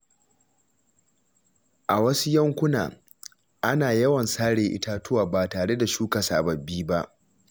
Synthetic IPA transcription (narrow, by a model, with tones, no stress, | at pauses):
ʔa˨wɐ˦su˦jɐ˦ŋkʷʊ˦na̰ː˨ | ʔa˦naː˨jɐ˦wɐ˨nsaː˦ɽeː˨ʔɪ̰˦taː˦tʊ˦waː˨baː˨taː˨ɽe˦da˨ʃuː˦ka˨sa̰ː˨bɐ˨bːiː˦ba˦ʔ